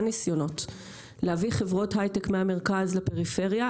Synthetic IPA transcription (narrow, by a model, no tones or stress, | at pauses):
nisjono̞t | lehaviχevʁo̞tɦajtekmeame̞ʁkazlape̞ʁife̞ʁja